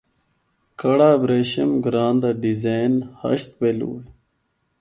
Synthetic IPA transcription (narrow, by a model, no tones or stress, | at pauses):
kɐɽaːbɾeɕɐmɡɾaːnd̪ɐɖizajnhɐ̰ɕt̪pelṵːl